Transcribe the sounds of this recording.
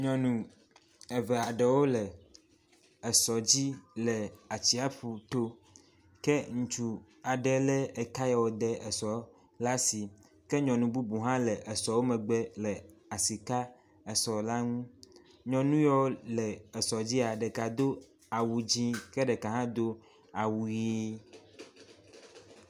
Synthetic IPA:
ɲɔ̃˨nũ˨ | ɛ˨ve˨a˨ɖɛ˨wo˦lɛ˨ | ɛ˨sɔ˨d͡ʑi˦lɛ˨a˨t͡ɕi˦a˦ɸu˨t̪o˦ | kɛ˦ŋũ˨t͡ʃu˨ | a˨ɖɛ˨lɛ˦e˨ka˦jɛ˨wo˨d̪ɛ˦˨ʔɛ˨sɔ˨ | la˦si˨ | kɛ˦ɲɔ̃˨nũ˨bu˦bu˨ɦã˦lɛ˨ʔe˨sɔ˨wo˦mɛ̃˨ɡ͡be˦lɛ˨a˨si˨ka˦ | e˨sɔ˨la˦ŋũ˦ | ɲɔ̃˨nũ˦jɔ˦wlɛ˨ɛ˨sɔ˨d͡ʑi˦a˨ɖɛ˨ka˨d̪o˦ | a˨wu˨d͡ʑĩ˦kɛ˦ɖɛ˨ka˨ɦã˦d̪o˦ | a˨wu˨ji˦

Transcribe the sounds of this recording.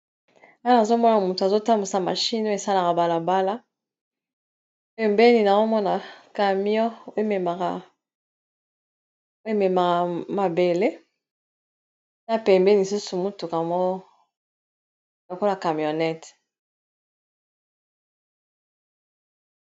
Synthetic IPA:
a˦na˨zo˦mɔ˦na˨mu˨tu˨a˨zo˦ta˦mu˨sa˨ma̰˨ʃi˦n˦o˦e˨sa˦la˨ka˨ba˨la˨ba˦la˦ | ɛ˨mbɛ˦ni˨na˨zo˦mɔ˦na˨ka˨mjɔ˦o˦e˦mɛ˨ma˨ka˨ | o˦e˦mɛ˨ma˨ka˨ma˨be˨le˦ | na˦pɛ˨mbɛ˦ni˨su˦su˨mu˦tu˨ka˨mo˦ | lo˨ko˦la˨ka˨mjɔ˨nɛ˦t

